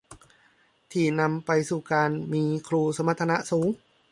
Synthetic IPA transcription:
t̪ʰiː˨˩na˧mpa˧jsuː˨˩kaː˧nmiː˧kʰɾuː˧sa˧˦mːa˧t̪ʰːa˧na˦˥ʔsuː˩˦ŋ

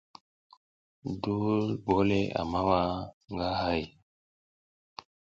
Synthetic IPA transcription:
du˦lbo˦le˦a̰˨ma˦wa˦ŋɡa˦ɦa˦j

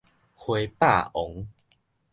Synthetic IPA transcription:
hwe˧˦pa̰˥˨ɔ˨˦ŋ

